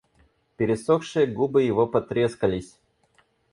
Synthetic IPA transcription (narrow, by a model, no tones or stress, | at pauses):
pʲɪɾʲɪsoxʂɨjəɡubɨjɪvopɐt̪ɾʲeskəlʲɪsʲ